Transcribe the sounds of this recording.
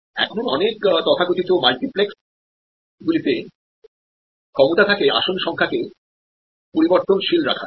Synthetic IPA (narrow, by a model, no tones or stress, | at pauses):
ɛ̰kʰonɔnekt̪ɔt̪ʰakot̪it̪omalʈipleks | ɡulit̪e | kʰɔmot̪at̪ʰakea̰ʃonʃɔŋkʰake | poɾiboɾt̪onʃilɾa̰kʰa̰